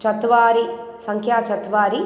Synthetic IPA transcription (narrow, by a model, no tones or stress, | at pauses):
t͡ʃɐt̪ʋaːɾi | sɐŋkʰjaːt͡ʃɐt̪ʋaːɾi